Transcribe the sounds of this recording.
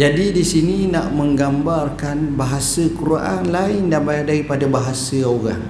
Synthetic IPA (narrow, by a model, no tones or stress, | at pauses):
d͡ʒadidisininaʔməŋɡambarkanbaɦasəkuɾuaʔanlaɪndanbajaʔdaɾipadabaɦasəoɣa̰ŋ